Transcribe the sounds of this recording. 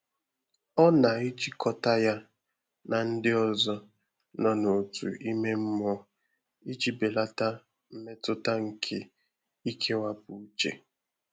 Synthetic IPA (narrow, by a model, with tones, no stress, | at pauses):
ɔ˦na˨i˦d͡ʒi˦kʰɔ˦ta˦ja˦ | na˨n̩˦dɪ˦ɔ˦zɔ˦ | nɔ˨no˨tṵ˨i˦me˦m̩˦mɔ˦ | i˦d͡ʒi˦be˨la˦ta˦ | m̩˦me˦tʊ˦ta˦ŋ̩˨kʰe˨ | i˦kʰe˦wa˦pu˨u˦t͡ʃḛ˨